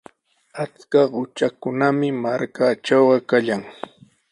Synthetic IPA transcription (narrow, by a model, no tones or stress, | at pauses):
at͡skaɢʊt͡ʃakʊnamɪmaɾkat͡ʃawɢɑkaʎaŋ